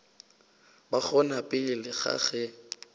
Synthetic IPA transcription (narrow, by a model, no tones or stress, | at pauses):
baχɔnapʼɪlɪɣa̰χɛ